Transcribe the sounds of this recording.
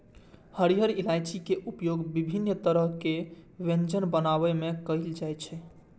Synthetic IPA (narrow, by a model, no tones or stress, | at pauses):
həɾiɦəɾilajt͡ʃikeʔupjoɡbibʱinːt̪əɾəɦkeʋẽnd͡ʒənbənaβɛmekəɪld͡ʒajt͡ʃʰɛ